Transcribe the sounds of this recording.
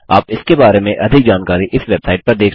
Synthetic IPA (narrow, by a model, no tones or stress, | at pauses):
aːpɪskebaːɾemẽʔɐd̪ʱɪk̚d͡ʒaːnkaːɾiʔɪsʋeːbsaːɪʈ̚pɐɾd̪eːk